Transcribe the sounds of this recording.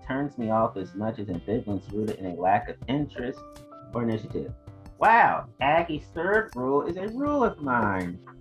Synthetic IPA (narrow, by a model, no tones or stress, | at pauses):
tʰɜ̃˞nzmiɔfɨzmʌt͡ʃɨzɨ̃nvɪɡlə̃nsɹʉɾɨɾɨ̰̃nɨlækʌvɪ̃nt͡ʃɹ̥ɨstʔə˞ɨnɪʃɨɾɪ̰v̥waʊʔæɡiz̥θɜ˞d̚ɹulˠɪzɨɹulˠʌvmãɪ̃n